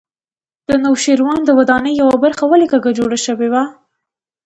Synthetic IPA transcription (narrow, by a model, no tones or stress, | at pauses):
d̪̥ənawʃeɾwɑnd̪əwad̪ɑnəjːawabaɾxawalikaɡad͡ʒoɽaʃəwewa